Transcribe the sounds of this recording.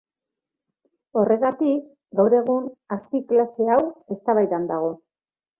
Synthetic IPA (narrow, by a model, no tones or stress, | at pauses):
o̞re̞ɣat̪ik | ɡawɾe̞ɣ̞unaɾpiklase̞awe̞st̪aβajt̪and̪aɣ̞o̞